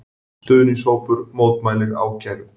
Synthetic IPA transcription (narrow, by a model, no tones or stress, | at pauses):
t̪ʏːðʏnisoːwpʏɾmoːwt̪maːjlɪɾa̰wcajɾʏ